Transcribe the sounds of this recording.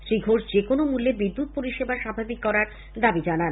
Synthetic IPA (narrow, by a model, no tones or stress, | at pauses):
ʃɾiɡʱoʃd͡ʑekonomulːebid̪ːut̪̚poɾiʃebaʃabʱabikːɔɾaɾ | d̪abid͡ʑanan